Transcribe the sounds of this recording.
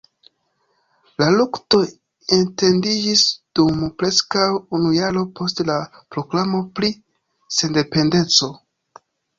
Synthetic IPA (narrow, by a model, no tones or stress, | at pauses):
lalukto̞ | ente̞ndid͡ʒisd̥umpɾe̞skawunujaɾo̞pʰo̞stlapɾo̞klamo̞pɾi | se̞nde̞pe̞nde̞t͡so̞